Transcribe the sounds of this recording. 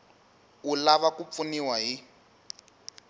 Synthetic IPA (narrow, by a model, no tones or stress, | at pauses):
ulaβakup̪funiwaɦi